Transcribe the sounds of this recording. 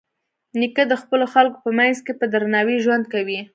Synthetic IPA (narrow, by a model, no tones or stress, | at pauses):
nikəd̪əxpəloxalko̥pəmajnzkepəd̪ɾanɑwiʒwand̪̚kawi